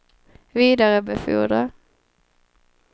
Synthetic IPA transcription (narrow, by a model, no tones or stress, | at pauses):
ʋiːd̪ɑʁəbəfʉ̰ːd̪ʁə